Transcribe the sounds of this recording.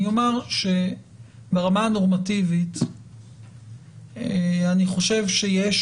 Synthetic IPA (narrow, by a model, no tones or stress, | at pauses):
omaʁʃe | beʁamaano̞ʁmativit | aniχo̞ʃevʃejeʃ